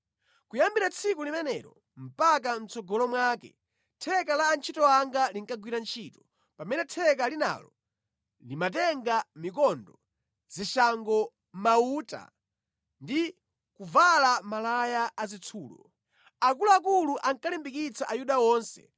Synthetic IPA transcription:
kujambiɾat͡sʰikulimɛnɛɾɔ | m̩pak̬am̩t͡sɔɡɔlɔmwaːkɛ̰ | tʰɛkalaːnt͡ʃʰitɔaŋɡaliŋkaɡwiɾant͡ʃʰiːtɔ | pamɛnɛtʰɛk̬alina̰lɔ | limatɛŋɡamik̬ɔndɔ | z̥iʃaŋɡɔ | mauːta̰ | ndi | kuvalamalajaːzit͡sʰuːlɔ̰ | akuluak̬uluʔaŋkalimbikit͡saʔajuɗaɔːnsɛ̰

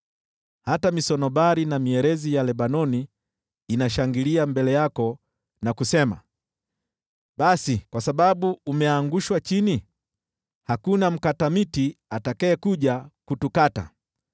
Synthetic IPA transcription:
hatamisɔnɔɓaɾinamiɛɾɛzijalɛɓanɔniː | naʃaŋɡiliambɛlɛjakɔ | nakusɛma̰ | ɓasikwasaɓaɓuːmɛaŋɡuʃwat͡ʃini | hakunam̩katamitiatakɛːkuʄakutukata̰

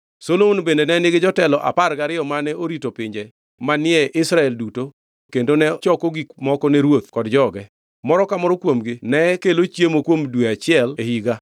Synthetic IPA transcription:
solounbendenɛnɪɡɪd͡ʒɔtɛlɔʔa̰parɡaɾɪɔmanɛoɾitopɪɲd͡ʒɛ | manɪɛʔɪsɾaɛlduto | kendonɛt͡ʃɔkɔɡikmɔkɔnɛɾwot̪̚kɔdd͡ʒɔɡɛ | mɔɾɔkamɔɾɔkwomɡɪnɛkelot͡ʃjemokwomdweat͡ʃɪɛlehiɡa

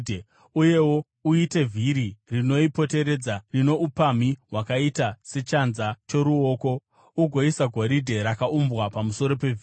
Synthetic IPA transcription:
uje̞wo | uite̞vʱiɾirino̞ipo̞te̞ɾe̞d͡zarino̞ʔupamiɦwakaitase̞t͡ʃanzat͡ʃo̞ɾuo̞ːko̞ | uɡʱo̞isaɡʱoɾidʱe̞ɾakaumbwapamuso̞ɾo̞pe̞vʱi

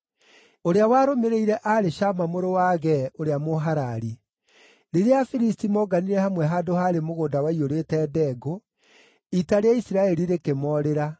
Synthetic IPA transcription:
oɾeawaɾomeɾeiɾɛʔaɾeʃamamoɾowaːɣɛoɾeamoɦaɾaɾi | ɾeɾeafiɾistimɔɡaniɾɛhamwɛɦaːdohaɾemoɣoːndawaioɾetɛːdɛɡo | itaɾeaisiɾaɛɾiɾekemɔɾeɾa

